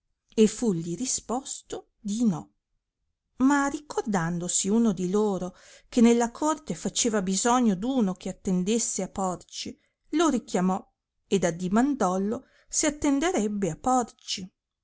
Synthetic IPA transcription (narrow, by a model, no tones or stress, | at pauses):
efːuʎːiɾispɔst̪o | d̪inɔ | marikʰord̪and̪osiuːnod̪iloːɾokenelːakʰort̪efat͡ʃeːvabizɔɲːod̪uːnokeat̪ːend̪esːeapːɔrt͡ʃi | loɾikjamɔ | ed̪ad̪imand̪ɔlːo | siat̪ːend̪eɾɛbːeapɔrt͡ʃi